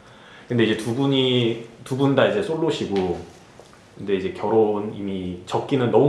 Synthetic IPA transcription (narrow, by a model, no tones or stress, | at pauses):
kɯnde̞id͡ʑetubuɲitubundaid͡ʑe̞sʰoɭːoɕʰiɡo | kɯnde̞id͡ʑe̞kjʌɾonimit͡ɕʌk̚k͈inɯnːʌmu